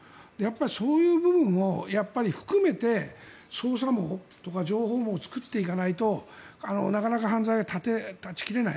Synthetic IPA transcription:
d̪̥e̞japːaɾʲisoːjɯ̟ːbɯ̟bɯ̟̃ɰ̃o̞japːaɾʲiɸɯ̟̥kɯ̟me̞t̪e̞ | so̞ːs̬amo̞ː | t̪o̞kad͡ʑo̞ːɦo̞ːmo̞ːt͡sɨ̥kɯ̟t̪ːe̞ikanait̪o̞ | ano̞̰nakanakaɦãnd͡zaiɡat̪ʰat̪e̞t̪at͡ɕi̥kʲiɾe̞na̰

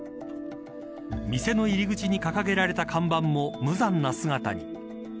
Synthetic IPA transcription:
mʲise̞no̞iɾʲiɡɯ̟t͡ɕiɲ̟ikakaɡe̞ɾaɾe̞t̪akʰãmbãmːo̞mɯ̟zãnːasɨŋat̪a̰ɲ̟ḭ

